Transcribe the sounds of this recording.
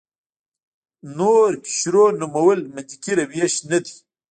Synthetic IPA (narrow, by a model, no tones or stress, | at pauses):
noɾpi̥ɕɾonumɐwəlməd̪ikiɾawjaɕnad̪i